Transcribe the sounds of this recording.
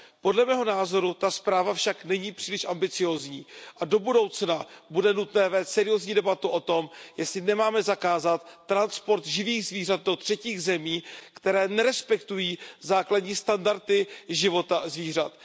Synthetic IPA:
po̞dlɛmɛːɦo̞naːzo̞ɾut̪aspɾaːvafʃaknɛɲiːpr̥iːlɪʃʔambɪt͡sɪjo̞ːzɲiːʔado̞budo̞wt͡snabudɛnut̪nɛːvɛːst̪sɛɾɪjo̞zɲiːdɛbat̪uʔo̞t̪o̞mjɛslɪnɛmaːmɛzakaːzat̪ːɾanspo̞ɾt̪ʒɪviːɣzviːr̝at̪̚do̞t̪r̝̥ɛciːɣzɛmiːkt̪ɛɾɛːnɛɾɛspɛkt̪ujiːzaːkladɲiːst̪andaɾt̪ɪʒɪvo̞t̪azviːr̝at̪

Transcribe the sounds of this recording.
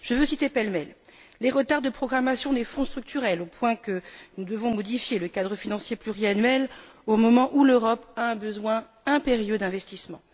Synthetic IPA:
ʒ̥əvøsit̪epɛlmɛlː | eʁət̪aʁd̪əpχɔɡʁamasjɔ̃d̪efɔ̃st̪χyk̚t̪yʁɛlopwɛ̃kənud̪əvɔ̃mɔd̪ifjeləkad̪ʁəfinɑ̃sjeplyʁianɥɛlomɔmɑ̃ʔuløʁɔpaɛ̃bəzwɛ̃ | ɛ̃peʁjød̪ɛ̃vɛst̪ismɑ̃

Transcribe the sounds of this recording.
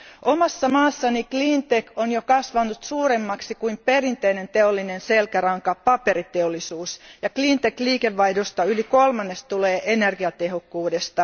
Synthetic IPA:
ʔomɑsːɑmɑːsːɑniklint̪ekonjokɑsʋɑnut̪suːɾemːɑksikuimpe̞rint̪einent̪eolːinenselkæɾɑŋkɑpɑpeɾit̪eolːˑisuːsjɑklint̪ekliːkeʋːɑjdost̪ɑylikolmɑnːest̪uleːʔenerɡiɑt̪eɦokːuːdest̪ɑ

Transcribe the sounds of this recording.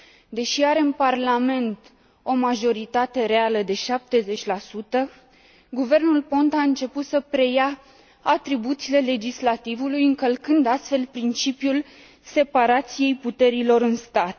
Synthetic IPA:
d̪e̞ʃiaɾe̞ɨnparlame̞nt̪ | o̞maʒo̞ɾit̪at̪e̞ɾealəd̪e̞ʃap̚t̪e̞ze̞t͡ʃʲlasut̪ə | ɡuve̞rnulpo̞nt̪aɨnt͡ʃe̞put̪səpɾe̞ja | at̪ɾibut̪sile̞le̞d͡ʒislat̪ivulujɨŋkəlkɨnd̪ast̪fe̞lpɾint͡ʃipjul | se̞paɾat̪sije̞jput̪e̞ɾilo̞ɾɨnst̪at̪

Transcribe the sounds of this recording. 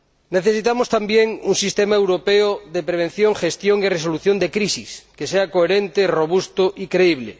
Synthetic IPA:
neθesit̪amost̪ambjeŋuŋsist̪emaewɾopeoðepɾeβ̞enθjoŋxest̪joŋiresoluθjond̪ekɾisiskeseakoeɾent̪eroβust̪oʔikɾeiβ̞lḛ

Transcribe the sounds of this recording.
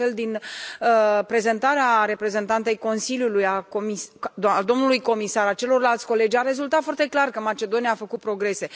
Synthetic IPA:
fe̞ld̪inəpɾe̞ze̞nt̪aɾeaɾe̞pɾe̞ze̞nt̪ant̪ejko̞nsiljulujakomisd̪ad̪o̞mnulujko̞misaɾat͡ʃe̞lo̞rlalt̪sʲko̞le̞d͡ʒʲaɾe̞zult̪at̪fwart̪e̞klarkəmat͡ʃe̞d̪o̞nijaːfəkupɾo̞ɡɾe̞se̞

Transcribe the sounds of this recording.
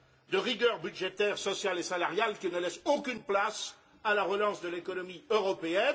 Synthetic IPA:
d̪əʁiɡʲœʁbyd̪ʒet̪ɛʁsɔsjalesalaʁjalkʲinəlɛsokʲynplas | alaʁəlɑ̃sd̪əlekɔnɔmiøʁɔpeɛn

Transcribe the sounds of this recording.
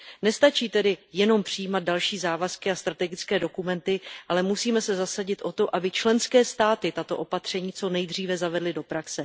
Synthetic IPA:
nɛst̪at͡ʃiːt̪ɛdɪjɛno̞mpr̝̥ɪjiːmad̪̚dalʃiːzaːvaskɪast̪ɾat̪ɛɡɪt͡skɛːdo̞kumɛnt̪ɪʔalɛmusiːmɛsɛzasaɟɪt̪ʔo̞t̪o̞ʔabɪt͡ʃlɛnskɛːst̪aːt̪ɪt̪at̪o̞ʔo̞pat̪r̝̥ɛɲiːt͡so̞nɛjd̪r̝iːvɛzavɛdlɪdo̞pɾaksɛ

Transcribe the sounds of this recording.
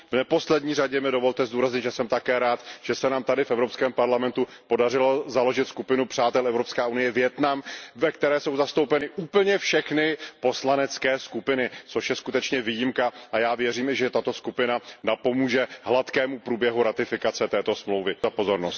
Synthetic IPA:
vnɛpo̞slɛdɲiːraɟɛmɪdo̞vo̞lt̪ɛzd̪uːɾazɲɪt̪ʒɛsɛmt̪akɛːɾaːt̪ʒ̥ɛsɛnaːmt̪adɪfɛvɾo̞pskɛːmpaɾlamɛnt̪upo̞darɪlozalo̞ʒɪt̪skupɪnupr̝̥aːt̪ɛlɛvɾo̞pskɛːʔunɪjɛvjɛt̪namvɛkt̪ɛɾɛːso̞wzast̪o̞wpɛnɪʔuːpl̩ɲɛfʃɛxnɪpo̞slanɛt͡skɛːskupɪnɪt͡so̞ʃjɛskut̪ɛt͡ʃɲɛviːjɪmkaʔajaːvjɛriːmɪʒɛt̪at̪o̞skupɪnanapo̞muːʒɛɦlat̪kɛːmupɾuːbjɛɦuɾat̪ɪfɪkat͡sɛt̪ɛːt̪o̞smlowvɪzapo̞zo̞ɾnost̪

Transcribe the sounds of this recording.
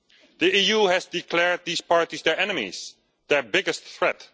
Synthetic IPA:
d̪iijuhɛzdikʰlɛɹd̪̚ðiːspɑɹtizdɛɹʔɛnəmḭz̥ | ðɛ˞bɪɡɨstθɹɛt

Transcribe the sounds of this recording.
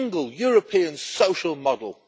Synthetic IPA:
ŋɡəlˠjɔːɹəpʰĩːə̃nsəʊʃəlˠmɒdəlˠ

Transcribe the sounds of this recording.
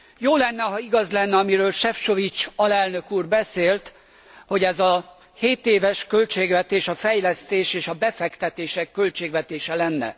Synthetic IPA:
joːlɛnːɛɦɒiɡɒzlɛnːɛɒmiɾøːlʃɛfʃo̞vit͡ʃɒlɛlnø̞kuːrbɛseːlt̪ | ho̞ɟɛzɒ | heːt̪eːvɛʃkø̞lt͡ʃeːɡvɛt̪eːʃɒfɛjlɛst̪eːʃeːʃɒbɛfɛkt̪ɛt̪eːʃɛkːølt͡ʃeːɡʋɛt̪eːʃɛlɛnːɛ̰

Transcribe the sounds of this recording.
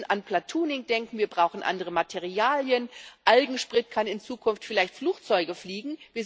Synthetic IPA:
nʔanplatʰuːnɪŋd̥ɛŋkŋ̩viːɐbʁaʊxn̩ʔa̰ndəʁ̞əmatʰɛʁiaːljənʔalɡŋ̩ʃpʁ̥ɪtkʰanɪnt͡suːkʰʊnftfɪlaɪçtfluːkt͡sɔʏɡəfliːɡŋ̩viːɐ

